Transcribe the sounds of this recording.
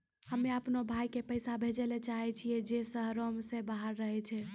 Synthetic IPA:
həmeəpnobʱajkepəjsabʱed͡ʒelet͡ʃaɦɛt͡ʃʰijɛd͡ʒesəɦɾomsebaɦəɾːəɦɛt͡ʃʰɛ

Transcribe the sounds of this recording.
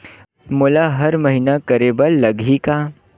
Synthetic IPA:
mʊlaɦɐɾmɐɦinakɐɾebɐlːɐɡʱika

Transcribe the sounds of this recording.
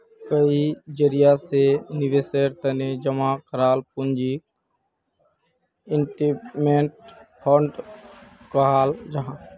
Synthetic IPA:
kəid͡ʒəɾijasenɪʋeseɾt̪əned͡ʒəmakəɾaːlpʊnd͡ʒi | ɪɳʈimeɳʈ̚pʰɔɳʈ | kəɦaːld͡ʒəɦãː

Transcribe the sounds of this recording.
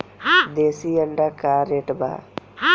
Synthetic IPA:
d̪eːsiəɳɖakaɾeʈba̰

